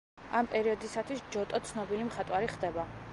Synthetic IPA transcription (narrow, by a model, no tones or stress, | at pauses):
ampʼɛɾiɔd̪isat̪ʰwisd͡ʒɔt̪ʼɔt̪sʰnɔbilimχat̪ʼwaɾiχd̪ɛba